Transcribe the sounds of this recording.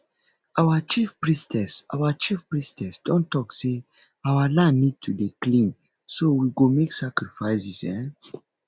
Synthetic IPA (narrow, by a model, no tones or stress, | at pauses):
awat͡ʃifpɹistɛsa̰wat͡ʃifpɹistɛsd̥ɔ̃ntɔkse | awalãnːid̚tʰudeklĩn | sowiɡomeksakɹifaɪsisɛ̃